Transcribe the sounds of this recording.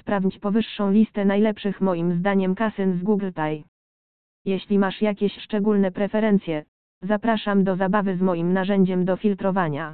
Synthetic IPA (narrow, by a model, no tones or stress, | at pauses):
spɾavʲɲit͡ɕpɔvɘʂːɔ̃w̃lʲist̪ɛnajlɛpʂɘxmɔjimzd̪aɲɛmkasɘnzɡuɡlt̪aj | jɛɕlʲimaʂjakʲɛɕʂt͡ʂɛɡulnɛpɾɛfɛɾɛnt̪sʲjɛ | zapɾaʂamd̪ɔzabavɘzmɔjimnaʐɛɲd͡ʑɛmd̪ɔfʲilt̪ɾɔvaɲa